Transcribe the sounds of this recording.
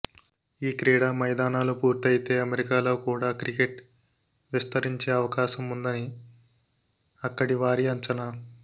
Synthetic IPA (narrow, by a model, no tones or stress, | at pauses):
iːkɾiːɽaːmɐjd̪aːnaːlupuːɾt̪ɐjit̪e̞ːɐmeɾikaːlo̞ːkuːɽaːkɾikeʈ | ʋist̪ɐɾiɲt͡ʃeːɐʋɐkaːʃɐmund̪ɐni | ɐkːɐɽiʋaːɾiɐɲt͡ʃɐnaː